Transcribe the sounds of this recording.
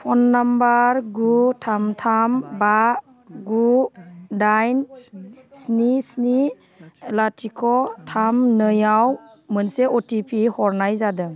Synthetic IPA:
pʰɔnːambaɾɡutʰamtʰamba | ɡu | dajn | snisni | latʰikʰɔtʰamnəjaw | mənseɔtipʰihɔɾnajzadɯ

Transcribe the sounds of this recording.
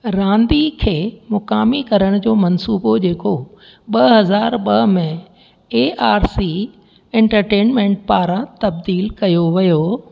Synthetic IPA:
ɾãːnd̪ikʰeːmʊkaːmikɐɾəɽ̃d͡ʑoːmɐnsuːbod͡ʑeːko | ɓɐɦɐzaːɾɓɐɦmẽ | eːʔaːɾsi | ɛ̃ɳʈəɾʈeːnmẽːɳʈ̚paːɾãt̪ɐbd̪iːlkɐjoʋɐjoː

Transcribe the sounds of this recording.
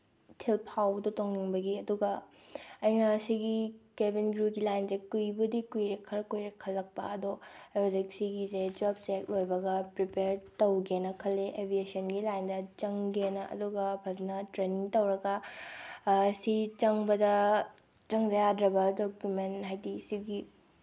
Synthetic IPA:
tʰilpʰawdotoŋniŋbɐɡiɐduɡɐ | ɐjnɐsiɡikebʱinɡɾuɡilajnzekujbɐdikujɾekʰːɐɾkujɾekʰːɐlːɐk̚pɐ̰ɐdobzeksiɡized͡ʒobsek̚lojbɐɡɐpɾipeɾtɐwɡenɐkʰɐlːeʔebʱiesɐnɡilajndɐt͡ʃɐŋɡenɐɐ̰duɡɐbʱɐznɐtɾeniŋtɐwɾɐɡɐ | sit͡ʃɐŋbɐdɐ | t͡ʃɐŋd͡ʒɐjadɾɐbɐdokjumentɦajdisiɡi

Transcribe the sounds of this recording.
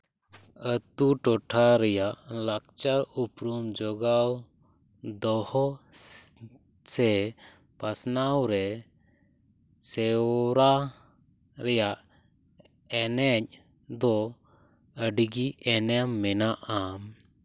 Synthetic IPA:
ət̪uʈɔʈʰaɾɛjaʔlak̚t͡ʃaɾupɾumd͡ʒɔɡaw | d̪ɔhɔ | sɛ | pasnawɾɛ | sɛɾa | ɾɛjaʔ | ɛnɛc̚ | d̪ɔ | əɖɡiɛnɛmːɛnaʔam

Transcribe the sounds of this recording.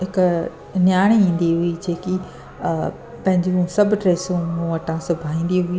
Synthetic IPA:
ɦɪk | njaːɽ̃iĩːn̆d̪iɦʊid͡ʑeːki | pɐ̃ɦɪ̃ɲd͡ʑũsɐbʱʈɾeːsũũʋɐʈʰãsʊbʱaːĩːn̆d̪iɦʊi

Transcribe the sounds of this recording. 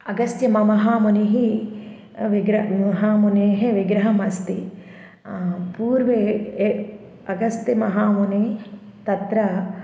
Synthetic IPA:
ɐɡɐst̪jɐmɐmɐɦaːmuniɦi | ʋiɡɾɐmɐɦaːmuneːɦeʋiɡɾɐɦɐmɐst̪i | puːɾʋeː | ɐɡɐst̪jɐmɐɦaːmune | t̪ɐt̪ɾɐ

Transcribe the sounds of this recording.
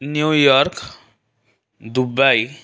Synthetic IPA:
njujɔɾk | d̪ubaj

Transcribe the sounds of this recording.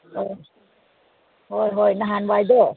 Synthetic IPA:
ʔo | hojɦojnaɦaːnwaːjd̪oː

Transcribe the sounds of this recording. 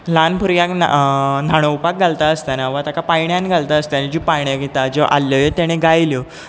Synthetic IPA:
lanpʰuɾjãkn̰naɽ̃oupak̚ɡʱalt̪aəst̪anaʋat̪akapajɳjãnɡʱalt̪aəst̪janid͡ʑipajɳjaɡit̪ad͡ʑɔʔa̰lːjɔjet̪jaɽ̃eɡʱajljɔ

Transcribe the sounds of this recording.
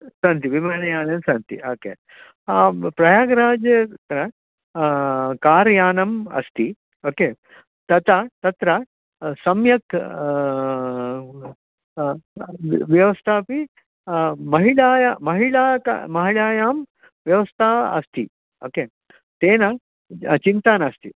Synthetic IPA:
sɐnt̪iʋimɐnɐjaːnɐmsɐnt̪ḭʔoːkḛː | pɾɐjaːɡɾaːd͡ʒjɐkɐɾɐ | kaːɾjaːnɐmɐ̰st̪ʰi | oːkeː | t̪ɐt̪at̪ɐt̪ɾɐ | sɐmjɐk | ʋjɐʋɐst̪ʰaːpi | mɐɦiɭaːjamɐɦiɭaːka̰mɐɦiɭaːjaːm | ʋjɐʋɐst̪ʰaːɐ̰st̪ʰi | oːkeː | t̪eːnɐ | t͡ʃint̪aːnɐst̪ʰi

